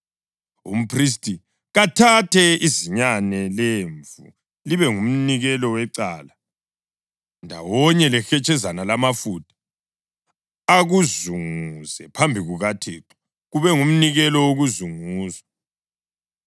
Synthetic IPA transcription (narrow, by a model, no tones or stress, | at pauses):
ṵm̩pʰris̬tʼi | ɣatʰatʰɛiziɲanɛleɱvṵ | liβɛŋum̩niɣɛlɔwɛǀaːla | ndʱa̰wɔɲɛlɛxɛt͡ʃʼɛzanalamafutʰḁ | aɣuzuŋusɛpʰambʱiɣuɣatʰeːǁʰɔ̥ | ɣuβɛŋum̩niɣɛlɔwoɣuzuŋuːsḁ